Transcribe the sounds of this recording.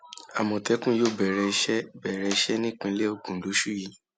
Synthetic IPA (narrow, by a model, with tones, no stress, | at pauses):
a˨mɔ̃˨tɛ˨˦kũ˦jo˦˨bɛ˨ɾɛ˧ʃɛ˦bɛ˨ɾɛ˧i˧˦ʃɛ˦nĩ˦k͡pĩ˧˦le˦o˧ɡũ˨˦lo˨˦ʃu˦˨ji˨˦